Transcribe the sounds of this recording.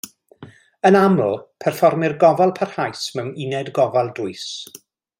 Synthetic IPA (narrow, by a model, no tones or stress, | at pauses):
ənamlʊpʰɛrfɔrmɪrɡɔvalˠpʰarhajsmɛwninɛdɡɔvalˠdʊɨs